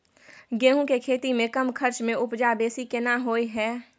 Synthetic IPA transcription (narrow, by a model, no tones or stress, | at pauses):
ɡeːɦũkekʰeːt̪imẽkɐmkʰɐɾt͡ʃmẽʊpd͡ʒabeːsikɪnaɦoːiɦɛː